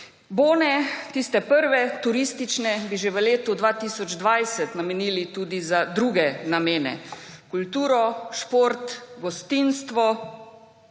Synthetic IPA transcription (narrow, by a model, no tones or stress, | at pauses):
boːnɛt̪ist̪ɛpəɾʋɛt̪uɾist̪it͡ʃnɛbiʒeʋəleːt̪ud̪ʋaːt̪iːsɔd͡ʒd̪ʋajsɛt̪namɛniːlit̪uːd̪izad̪ɾuɡɛnameːnɛ̰kult̪uːɾɔʃpoɾt̪ɡɔst̪iːnst̪ʋɔ